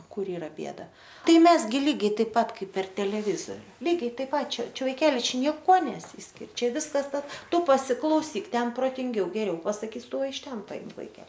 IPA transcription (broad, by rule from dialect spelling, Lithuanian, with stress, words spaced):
ˈkʊr ˈiːrɐ ˈbʲeːdɐ ˈtɐɪ ˈmʲɛs ˈɡʲɪ ˈlʲiːɡʲɛɪ ˈtɐɪp ˈpɐt ˈkɐɪp pʲɛr tʲɛlʲɛˈʋʲɪzoːrʲʊ ˈlʲiːɡʲɛɪ ˈtɐɪp ˈpɐt ˈt͡ʃʲɛ ˈt͡ʃʲɛ ʋɐɪˈkʲæːlʲɪ ˈt͡ʃʲɛ nʲiɛˈkuɔ nʲɛˈsʲiːsʲkʲɪrʲ ˈt͡ʃʲɛ ˈʋʲɪskɐs ˈtɐs ˈtʊ pɐsʲɪklˠɐʊˈsʲiːk ˈtʲɛn proːtʲɪŋʲˈɡʲɛʊ ɡʲɛˈrʲɛʊ pɐsɐˈkʲiːs ˈtʊ ɪʃ ˈtʲɛn pɐˈɪmk ʋɐɪˈkʲɛ